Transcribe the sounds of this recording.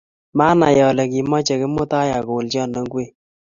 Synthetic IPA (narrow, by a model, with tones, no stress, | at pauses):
ma˦na̰˨jɔ˨lɛ˨ki˨mɔ˦t͡ʃɛ˨kɪ˦mo˦ta˦ja˨ko˨lt͡ʃɔ˦˨nɔ˨˦ŋɡwe˦